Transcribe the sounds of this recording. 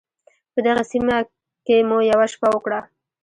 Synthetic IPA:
pəd̪aɣasima | kemujawaʃpawəkɽa

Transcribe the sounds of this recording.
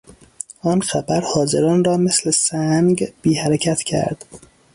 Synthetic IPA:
ʔɒːnxæbæɾhɒːzeɾɒːnrɒːmeslesæŋɡb̥iːhæɾecʰæt̪ʰcʰæ̰ɾd̪̥

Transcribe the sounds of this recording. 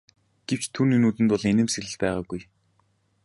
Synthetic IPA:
ɡ̥ew̥t͡ɕt̪ʰuːninuːt̪ɘ̆nt̪ʊɮenɘ̆msĕɮɘ̆ɮpæːʁaːɡuj

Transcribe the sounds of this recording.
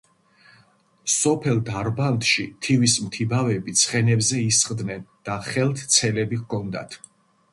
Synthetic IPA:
sɔpʰɛlˠd̪aɾbant̪ʃit̪ʰivismt̪ʰibavɛbit̪sʰχɛnɛbzɛisχqʼd̪nɛnd̪̥aχɛlˠt̪ʰt̪sʰɛlɛbikʰɔnd̪a̰t̪ʰ

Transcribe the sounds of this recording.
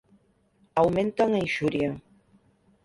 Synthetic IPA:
awmẽnt̪aŋaĩʃuɾja

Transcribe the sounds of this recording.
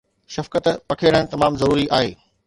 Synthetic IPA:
ʃɐfkət̪pɐkʰeɾə̃̆t̪ɐmaːmzɐɾuːɾiʔaːɦeː

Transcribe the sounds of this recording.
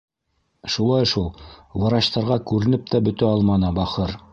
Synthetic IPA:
ʃulˠɑjʃulˠwɑɾɑɕt̪ɑɾʁɑkʉɾɘ̆nɘp̚t̪æbɵ̆t̪æɑlˠmɑnɤbɑχɤɾ

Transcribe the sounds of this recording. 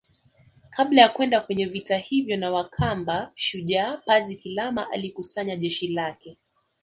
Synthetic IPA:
kʰaɓlajakwɛndakwɛɲɛvitahivjɔnawakʰambaʃuʄaːpazikilamaʔa̰likusaɲaʄɛʃilakɛ

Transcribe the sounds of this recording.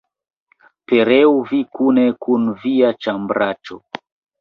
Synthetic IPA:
peɾɛuvikunekunviat͡ʃambɾat͡ʃo̰

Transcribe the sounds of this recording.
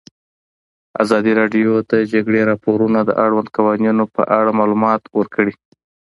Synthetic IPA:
a̰zɑd̪iɾɑɖijot̪ad͡ʒaɡɽeɾɑpoɾunad̪ə̰ʔaɽwand̪̚kawɑnjunopə̰ʔaɽamɑlumɑt̪wəɾkəɽi

